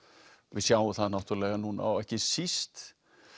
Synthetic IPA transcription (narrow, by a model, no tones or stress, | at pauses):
vɪðsjaːwʏθaðnawt̪yɾlɛːɣanuna̰wɛhcɪsist̪